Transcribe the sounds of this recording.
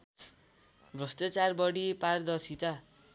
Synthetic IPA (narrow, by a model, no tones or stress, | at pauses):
brʌst̪at͡sarbʌɽipard̪ʌrsit̪a